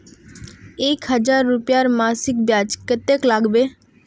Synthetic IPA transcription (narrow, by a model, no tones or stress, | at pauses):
eːkɦəd͡ʒaːɾːʊpjaɾmaːsɪk̚bjaːt͡ʃkət̪eklaːɡbeː